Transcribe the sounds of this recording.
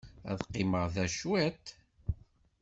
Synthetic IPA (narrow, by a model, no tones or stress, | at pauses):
æ̰ðqːɪməʁðæʃwæt̪